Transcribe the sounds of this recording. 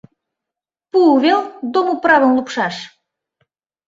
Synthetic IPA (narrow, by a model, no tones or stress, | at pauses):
puuβeld̪omuprɑβə̆mlˠupʃɑʃ